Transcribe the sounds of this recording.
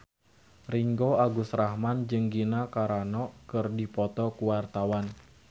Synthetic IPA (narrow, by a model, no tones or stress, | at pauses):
riŋɡoaɡusrahmand͡ʒɨŋɡinakaɾanɔʔkɨrdipɔt̪ɔkuwart̪awan